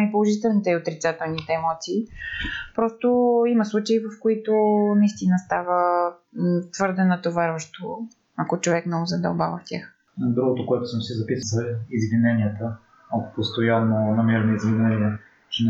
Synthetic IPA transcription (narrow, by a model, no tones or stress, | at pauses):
ipolˠoʒit̪ɛlˠnit̪ɛiot̪ɾit̪sat̪ɛlˠnit̪ɛːmɔt̪siːpɾɔst̪oimɐslˠut͡ʃɐivəfkoit̪onɐist̪inəst̪avə | t̪vɤɾd̪ɛnɐt̪ovɛɾvəʃt̪o | ɐkot͡ʃovɛknɛɡzɐd̪ɐʊba̰vɐftʲjax | d̪ɾuɡʊt̪okoɛt̪ʊsəmsizɐpisəzɐizvinɛnʲiət̪ə | okpost̪ojanːonɐmɛɾɛniizvinɛniə | t͡ʃɛn